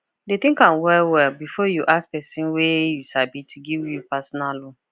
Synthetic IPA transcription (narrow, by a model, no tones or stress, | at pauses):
det̪ĩŋkãnwɛlwɛlbifɔjuʔaspɛsĩnwejusabĩtʰuɡivjupasɔnalɔ